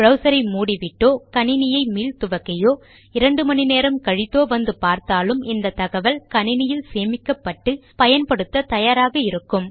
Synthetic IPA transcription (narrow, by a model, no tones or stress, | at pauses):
bɾɐʊsɐɾɐɪmuːɽiʋɪʈːoːkɐɳɪnɪjɐɪmiːlt̪ʊʋɐkːɐjoː | ɪɾɐɳɖɯmɐnineːɾɐmkɐɻɪt̪ːoːʋɐnd̪ɯpaːɾt̪aːlɯmɪnd̪ɐt̪ɐɣɐʋɐlkɐɳɪnɪjɪlseːmɪkːɐpːɐʈːɯpɐjɐnpɐɽɯt̪ːɐt̪ɐjaːɾaːɣɐɪɾɯkːɯm